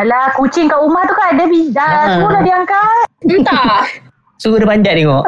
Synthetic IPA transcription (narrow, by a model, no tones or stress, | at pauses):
lakut͡ʃɪŋkaʔumaht̪ukaʔdəbidasuɡunabiaŋkaa | suɡudəpaɲd͡ʒaʔt̪eŋɔʔ